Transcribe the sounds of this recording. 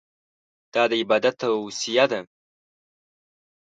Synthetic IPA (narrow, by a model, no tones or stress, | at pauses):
d̪̥ɑːd̪əɪbɑd̪at̪asijad̪a